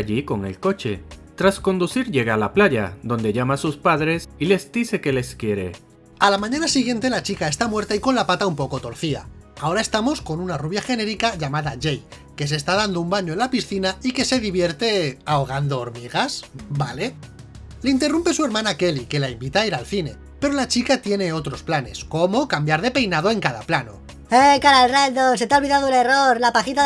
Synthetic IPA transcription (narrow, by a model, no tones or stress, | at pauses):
ʎiko̞ŋe̞̰lko̞t͡ʃe̞t̪ɾasko̞nd̪uθiɾʝe̞ɣalaplaʝa̰ðo̞nd̪e̞ʎamasuspaðɾe̞sile̞zd̪iθe̞ke̞le̞skje̞ɾe̞̰ | alamãɲanasiɣje̞nt̪e̞lat͡ʃikae̞st̪amwe̞ɾt̪aiko̞nlapat̪aumpo̞ko̞t̪o̞ɾθia̰ao̞ɾae̞st̪amo̞sko̞nunaruβjaxe̞ne̞ɾikaʝamaðaʝej | ke̞s̬e̞ːst̪aðand̪oumbaɲo̞e̞nlapisθinaike̞se̞ðiβje̞ɾt̪e̞aoɣ̞and̪o̞ːɾmiɣ̞asbale̞ | leint̪e̞rumpe̞sue̞ɾmãnake̞like̞laimbit̪aiɾalθine̞̰ | pe̞ɾo̞lat͡ʃikat̪je̞ne̞o̞t̪ɾo̞splane̞sko̞mo̞kambjaɾð̞e̞pe̞jnað̞o̞e̞ŋkaðaplano̞̰ | ekaɾalrald̪oset̪aolβiðaðoele̞roɾlapaxit̪a